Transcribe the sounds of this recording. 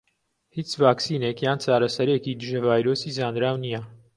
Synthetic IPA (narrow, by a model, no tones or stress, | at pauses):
hit͡sʰvɑksinɛkjɑnt͡sʰɑɾasəɾɛkʰid̪əʒəvɑjɾɔsizɑːnd̪ɾɑwnijɑ